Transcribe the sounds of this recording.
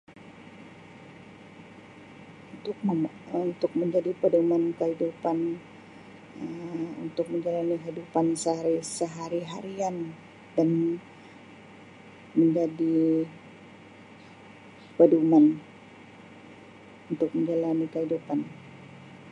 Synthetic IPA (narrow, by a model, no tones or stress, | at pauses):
unt̪ʊk̚ | unt̪ʊk̚məɲd͡ʒadipədumankəɦidupan | unt̪ʊk̚məɲd͡ʒalaniɦiidupansəɦaɾisəɦaɾiɦaɾian | dan | məɲd͡ʒadi | pəduman | unt̪ʊk̚məɲd͡ʒalanikəɦidupan